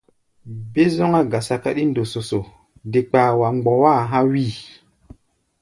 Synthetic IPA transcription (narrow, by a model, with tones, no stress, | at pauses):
be˦zɔ˦ŋa˦ɡa˨sa˨ka˦ɗi˦ndo˨so˨so˨ | de˨k͡paː˨wa˨ŋ͡mɡ͡bɔ˨wa˦˨ɦã˦wi˦˨